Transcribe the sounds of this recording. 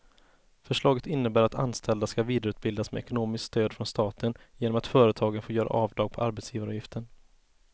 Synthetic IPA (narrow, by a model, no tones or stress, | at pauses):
fœʂɭɑːɡət̪ɪnːəbæːɾat̪ʰa̰nst̪ʰɛld̪askaviːd̪aɾʉt̪bɪld̪asmɛ̰ɛkʊnoːmɪskst̪øːd̪fɾɔnst̪ɑːt̪ʰənjeːnɔmat̪fœːɾət̪ʰɑːɡənfoːjœːɾa̰ʔɑːvd̪ɑːɡ̚pʰɔʔaɾbɛt̪sjiːvaɾjɪft̪ʰəɳ